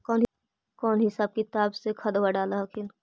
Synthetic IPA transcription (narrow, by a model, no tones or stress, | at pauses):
kɔːnɦ | kɔːnɦɪsab̚kit̪aːbsekʰɐd̪waɖaːlaɦkʰɪn